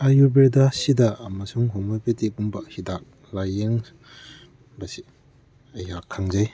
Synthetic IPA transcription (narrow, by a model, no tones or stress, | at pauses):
ajubedasidaːmɐsuŋɦoŋmojpetikumbahidak̚ | lajeŋ | basi | ɐjakʰːaŋzaj